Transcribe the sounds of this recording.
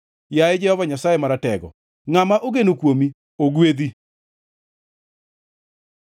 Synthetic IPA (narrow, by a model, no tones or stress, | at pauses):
jaed͡ʒɛhɔvaɲasaemaɾatɛɣɔ̰ | ŋamaʔoɣenukwomi | oɣweði